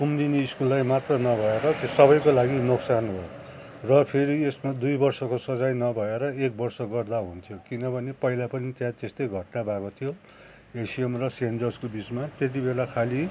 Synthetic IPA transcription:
kumd̪ineiskulːajmat̪rʌnʌbʱʌeɾʌt̪esʌbʌjkolaɡinoksanɦo | rʌpʰeɾiesmad̪ujbʌrsʌkosʌd͡zajnʌbʱʌeɾʌek̚bʌrsʌɡʌrd̪aɦunt̪ʰijokinʌbʱʌnepʌjlapʌnit̪jãt̪est̪ʌjɡʱʌʈnabʱakot̪ʰijo | esiemrʌsend͡zʌrd͡zkobit͡smat̪et̪̬ibelakʰali

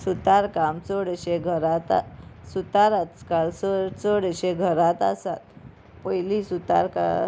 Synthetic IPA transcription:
sut̪aɾkamt͡səɽəɕeɡʱəɾat̪a̰sut̪aɾat̪kalsət͡səɽəɕeɡʱəɾat̪a̰sat̪ | pəjlisut̪a̰ɾka̰

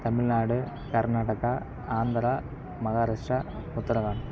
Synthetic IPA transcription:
t̪ɐmilnaːɽɨ | kɐrnaːɽɐɣɐ | aːnd̪ɐɾɐ | mɐɣaːɾɐʂʈɐmut̪ːɐɾɐʋaːɳɨ

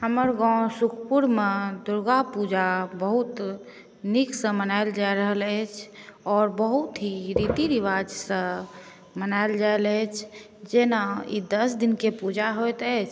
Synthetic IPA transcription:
həməɾɡɔ̃sukʰpuɾmed̪uɾɡapud͡ʒabəɦut̪ | niksə̃mənaɪld͡ʒaeɾəɦələjt͡ʃʰɔɾbəɦut̪ɦiɾit̪iɾiʋad͡ʒsə̃ | mənaɪld͡ʒaelət͡ʃʰ | d͡ʒenaḭd̪əsd̪inkepud͡ʒaɦojt̪əjt͡ʃʰ

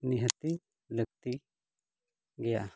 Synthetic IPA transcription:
niɦət̪i | ləɡ̚t̪i | ɡɛja̰ʔ

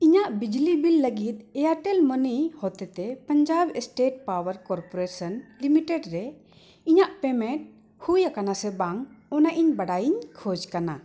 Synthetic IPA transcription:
iɲaʔbid͡ʒlibilːəɡit̪̚ɛjaʈɛlmənijhɔt̪ɛt̪ɛpəɲd͡ʒabɛsʈeʈ̚pawəɾkɔɾpɔɾesənlimiʈɛɖɾɛ | iɲaʔpɛmɛ̃ʈ̚ | hujakanasɛbaŋɔnaʔiɲbaɽajiɲkʰɔd͡ʒkana

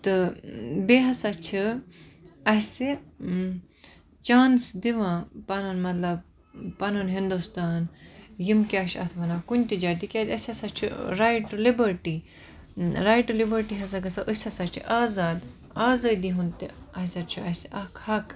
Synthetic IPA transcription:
t̪ɨbeɦɐsat͡ʃʰi | ɐse | t͡ʃaːnsd̪iʋãpɐnɨnmɐt̪lɐb̚ | pɐnunɦind̪ust̪aːnjimkʲaːʃɐ̰t̪ʰʋɐnaːkunʲt̪id͡ʒaːt̪ikʲat̪ʲɐsʲɐsat͡ʃʰḭɾajʈulibəɾʈi | ɾajʈulibəɾʈiɦɐs̬aɡɐsaʔəsʲɐsat͡ʃʰḭʔaːzaːd̪ | aːzɐd̪iɦunt̪iɐsʲɐɾt͡ʃʰuɐsʔɐkhɐk

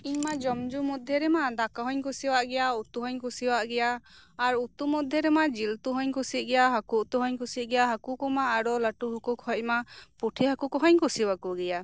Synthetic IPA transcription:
iɲmad͡ʒɔmd͡ʒumɔd̪ʱjɔɾɛmad̪akaɦɔɲkusiwaʔɡɛjaut̪uɦɔɲkusiwaʔɡɛjaːɾut̪umɔd̪ʱjɛɾɛmad͡ʒilt̪uɦɔɲkusit̪̚ˀɡɛjaɦakuʔt̪uɦɔɲkusit̪̚ˀɡɛjaɦakukɔmaːɽɔləʈuɦɔkukɦɔc̚mapuʈʰiɦakukɔɦɔɲkusiwakuɡɛja

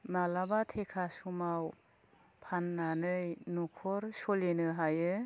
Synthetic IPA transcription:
nalabatʰekʰasumaw | pʰanːanɯjnukʰɔɾsɔlenɯɦajɯ

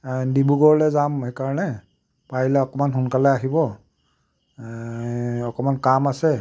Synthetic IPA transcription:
dibuɡɔɹlɛzamhɛkaɹɔnɛ | pailɛɔkɔmanxunkalɛaɦibɔ | ɔkɔmankamasɛ

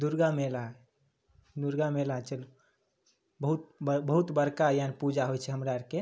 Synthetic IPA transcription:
d̪uɾɡamela | d̪uɾɡamelat͡ʃəlo | bəɦut̪̚bbəɦut̪bəɾkajaənpud͡ʒaɦojt͡ʃʰɛɦəmɾaɾke

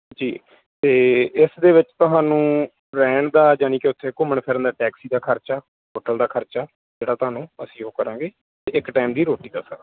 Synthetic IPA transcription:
d͡ʒḭː | t̪eːɪsd̪eːʋɪt͡ʃt̪ʊɦaːnũː | ɾɛːɳd̪aːd͡ʒaːñĩːkɪʊt̪ʰːeːkʊməɳpʰɛːɾənd̪aːʈɛːksiːd̪aːkʰəɾt͡ʃaː | ɦoːʈəld̪aːkʰəɾt͡ʃaː | d͡ʒeːɽaːt̪ʊɦaːnũːəsĩːoːkəɾãːŋɡeː | t̪eːʔɪkʈaːɪmd̪iːɾoːʈiːd̪a̰ːsa̰ː

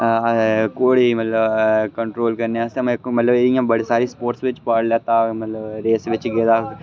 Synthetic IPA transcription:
koːɽimɐt̪ləbkə̃ɳʈɾoːlkɐɾneasemmɐt̪ləbeĩãmbəɽisaːɾispoːɾʈsʋɪt͡ʃpaːɽleːt̪aːmɐt̪ləbɾeːsʋɪt͡ʃɡeːd̪aː

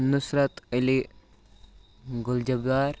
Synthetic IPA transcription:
nusɾɐt̪əli | ɡʊld͡ʒɐbɡaːɾ

